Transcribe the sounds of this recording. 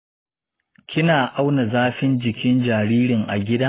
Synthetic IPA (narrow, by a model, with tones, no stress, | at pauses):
kʲɪ˦naː˨ʔa˦wna˨zaː˦ɸɪ˦nd͡ʒɪ˨kʲɪ˦nd͡ʒaː˨ɾiː˦ɾɪ˨ŋʔa̰˨ɡʲɪ˦daː˦